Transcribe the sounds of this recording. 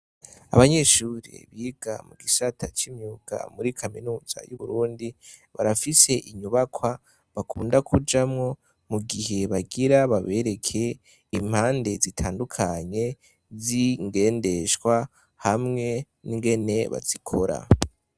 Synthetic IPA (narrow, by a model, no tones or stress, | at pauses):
a̰βaɲe̞ʃuːɾḭβiːɡ̥a̰muɡisatʰat͡ʃimɲuːɡ̥a̰muɾikʰaminuːz̥a̰juβuɾuːndi | βaɾafise̞ʔiɲuβakʰwa | βakʰuːndakʰud͡ʒamŋo̞ | muɡihe̞βaɡiɾaβaβe̞ɾe̞kʰe̞ | im̥haːnde̞zitʰaːndukʰaɲe̞ | ziŋɡe̞ːnde̞ʃkwa | hamŋe̞ | niŋɡe̞ne̞βa̰z̥ikʰo̞ɾa̰